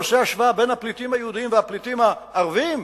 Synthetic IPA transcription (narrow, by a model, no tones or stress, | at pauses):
seaʃvaabe̞jnhaplit̪imhajeud̪iimveaplit̪imhaːʁvim